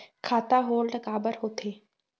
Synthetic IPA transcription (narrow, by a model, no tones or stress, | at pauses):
kʰaːt̪aɦoːlɖɡaːbəɾɦoːt̪ʰeː